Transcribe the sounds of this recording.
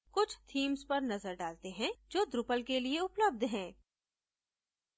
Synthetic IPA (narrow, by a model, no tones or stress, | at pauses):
kʊt͡ʃʰt̪ʰiːmzpɐɾnɐzəɾɖaːlt̪eɦɛ̃d͡ʒoːd̪ɾʊpəlkelieʊpləb̚d̪ʱɦɛ̃ː